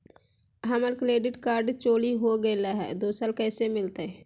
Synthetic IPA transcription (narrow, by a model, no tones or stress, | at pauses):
ɦəməɾkɾeːɖɪʈkaːɾɖt͡ʃoːliɦoɡəɪlaɦɛ̰ːd̪oːsaːlkɛːsemɪlt̪a